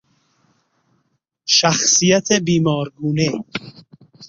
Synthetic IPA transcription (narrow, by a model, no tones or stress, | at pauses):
ʃaxsijat̪ʰebiːmɔːɾɡuːne